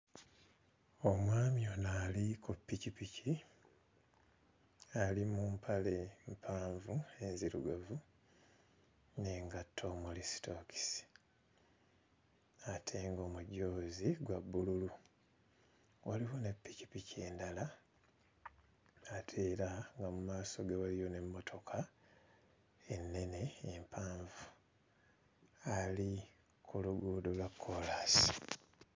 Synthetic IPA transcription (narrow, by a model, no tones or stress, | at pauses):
o̞mwaːmionaːlikʰupːicipici | alimuːmpʰalempʰaːɱvue̞nziɾṵɡavu | neːŋɡatːo̞ːmulisi̥toki̥si̥ | atʰeːŋɡo̞ːmuɟoːziɡwabːululu | oliβone̞pːicipicʰe̞ːndala | atʰeːɾaŋɡamumaːso̞ɡeβalijo̞ne̞mːo̞tʰo̞kʰa | e̞nːe̞ne̞ːmpʰaːɱvu | ali | kʰuluɡuːdolwakʰːolasi̥